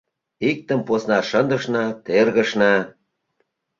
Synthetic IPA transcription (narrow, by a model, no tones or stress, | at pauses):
ik̚t̪ə̆mposnɑʃənd̪ə̆ʃnɑt̪erɣə̆ʃnɑ